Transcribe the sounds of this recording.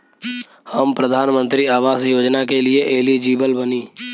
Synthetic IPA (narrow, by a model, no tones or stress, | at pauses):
həmpɾəd̪ʱaːnmə̃nt̪ɾiaːʋaːsjoːd͡ʒnakelɪeʔeːlid͡ʒiːbəlbəniː